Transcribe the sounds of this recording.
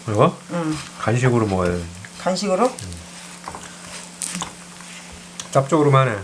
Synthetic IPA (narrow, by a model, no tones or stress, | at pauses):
ɡʌkanɕ̬ʰiɡɯɾomwʌɭkanɕʰiɡɯɾo | t͡ɕap̚t͡ɕ͈oɡɯɾomane